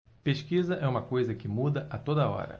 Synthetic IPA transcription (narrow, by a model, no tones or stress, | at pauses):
peʃkizɐʔɛũmɐkojzɐkɪmud̪ɐʔɐt̪od̪ɐɔ̰ɾɐ̰